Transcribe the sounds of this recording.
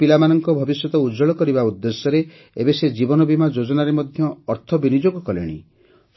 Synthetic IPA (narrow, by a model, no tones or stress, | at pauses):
pilamanɔŋkɔbʱɔbisjɔt̪ɔud͡ʒɔɭɔkɔɾibaud̪ːesjɔɾe | ebesed͡ʒibɔnɔbimad͡ʒod͡ʒɔnaɾemɔd̪ʱjɔːɾt̪ʰɔbinid͡ʒoɡɔkɔlḛɽ̃ḭ